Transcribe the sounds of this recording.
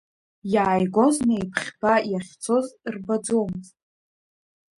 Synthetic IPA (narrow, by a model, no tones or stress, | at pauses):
jaːjɡoznejpʰχʲb̥ajaχʲt͡sʰo̞zrbad͡zowmɨztʼ